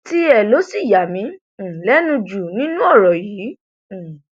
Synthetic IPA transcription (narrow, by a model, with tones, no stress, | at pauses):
ti˦ɛ˧˨lo˨˦si˦˨ja˨mĩ˨˧˦ | lɛ˨˦nũ˧d͡ʒu˨nĩ˦nũ˦ɔ˦˨ɾɔ˨jĩ˨˦˨